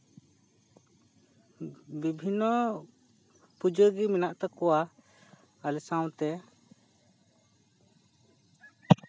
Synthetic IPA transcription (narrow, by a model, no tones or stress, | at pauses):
bibʱinːɔ | pud͡ʒəɡiminaʔt̪ɔkɔwa | alɛsãw̃t̪ɛ